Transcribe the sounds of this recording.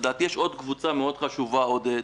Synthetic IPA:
d̪aːt̪ijeʃo̞d̪kvut͡sameo̞d̪χaʃuvao̞d̪e

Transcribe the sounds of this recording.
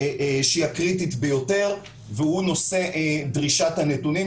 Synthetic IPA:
ʃiakʁititbejo̞te̞ʁ | vehuno̞se̞ʔd̪ʁiʃathanetuni

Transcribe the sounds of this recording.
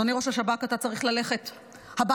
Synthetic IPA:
oniʁo̞ʃaʃabakatat͡saʁiχlale̞χe̞t | haba

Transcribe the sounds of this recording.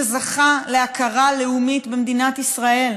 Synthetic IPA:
zaχaleakʰaʁale̞umitbemd̪inat̪isʁae̞l

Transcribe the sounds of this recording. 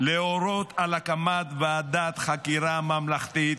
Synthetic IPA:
leoɾot̪alakamat̪vead̪at̪χakiɾamamlaχt̪it̪

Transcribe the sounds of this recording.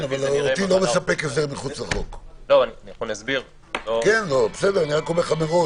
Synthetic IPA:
navalot̪ilomesapekefzeʁmiχut͡slaχokloanχonasbiʁ | okenlobesed̪eʁaniʁakomeʁχameʁo

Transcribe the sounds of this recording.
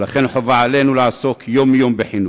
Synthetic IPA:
laχenħovaʕale̞nulaaso̞kʰjomjo̞mbeħinu

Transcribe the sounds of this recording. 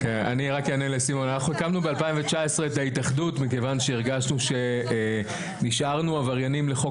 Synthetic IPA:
kena̰niʁakjanelesimo̞nanaχnuekamnube̞alpaiɱvet͡ʃae̞sʁe̞ːtaitaχdutmikevanʃe̞iʁɡaʃnuʃe̞ | niʃʔaʁnuavaʁjanimle̞χo̞

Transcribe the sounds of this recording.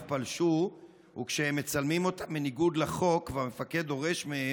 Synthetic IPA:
tpalʃu | ṵkʃehemːet͡salmimo̞t̪amːeniɡud̪leχo̞kveame̞fake̞d̪o̞ʁe̞ʃmee

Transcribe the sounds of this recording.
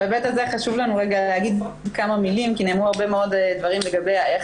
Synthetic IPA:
ebet̪azeχaʃuvlanuʁeɡalehaɡid̪ | kamamilimkineːmuaʁbemeo̞d̪ed̪vaʁimleɡabejae

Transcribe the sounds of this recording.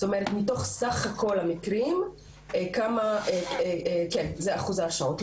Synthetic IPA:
tomeʁet̪mito̞χsaχhako̞lhamikʁim | ekamaʔeekenzeaχuzaʃaot

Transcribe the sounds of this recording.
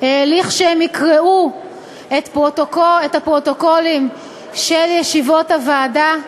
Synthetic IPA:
heːliχʃeemikʁeu | et̪pʁotokoetapʁo̞to̞ko̞lim | ʃeljeʃivo̞thavaːda

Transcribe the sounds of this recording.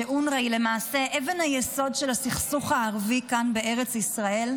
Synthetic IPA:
eʔunʁejle̞maːse̞ʔevenhajeso̞dʃelasiχsuχhaːʁvikanbe̞eʁet͡sisʁae̞l

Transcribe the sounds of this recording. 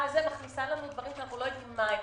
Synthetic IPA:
azemaχnisalanud̪vaʁimknaχulojad̪imma

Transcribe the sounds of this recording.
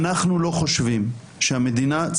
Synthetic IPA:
naχnulo̞χo̞ʃvim | ʃehamed̪inat͡s

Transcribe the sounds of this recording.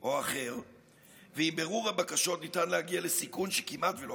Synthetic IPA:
ʔo̞aχe̞ʁ | veimbe̞ʁuʁhabakaʃo̞tnitanleaɡialesikunʃe̥kimʔat̪velo

